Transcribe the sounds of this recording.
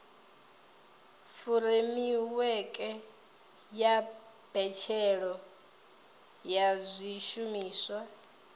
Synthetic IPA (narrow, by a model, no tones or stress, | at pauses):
fuɾemiwɛkʼɛ | ja | b̥ɛt͡ʃʰɛɺɔ | jazʷiʃumiːswa